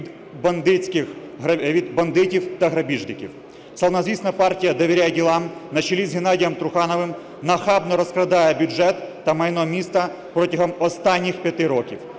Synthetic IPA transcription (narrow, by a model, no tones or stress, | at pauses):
bɐnd̪ɪt͡sʲkɪx | ʋʲid̪bɐnd̪ɪtʲiwt̪ɐɦɾɐbʲiʒnɪkʲḭw | sɐlˠnɐzʋʲisnɐpɑrtʲijɐd̪ɔʋʲeɾʲajɛdʲilˠɑmnɐt͡ʃilʲizɦenɑdʲijɐmt̪ɾʊxɑnɔʋɪm | nɐxɑbnɔɾɔskɾɐd̪ɑjɛbʲjʊd͡ʒɛt̪ːɐmɐjnɔmʲist̪ɐ | pɾɔtʲiɦɔmɔst̪ɑnʲːixpʲjɐt̪ɪɾɔkʲiw